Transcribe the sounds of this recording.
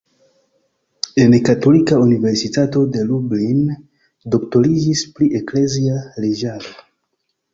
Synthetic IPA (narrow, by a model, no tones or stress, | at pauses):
e̞nkato̞likaunive̞ɾsitato̞de̞lublin | do̞kto̞lid͡ʒispliʔe̞kle̞zialed͡ʒaɾo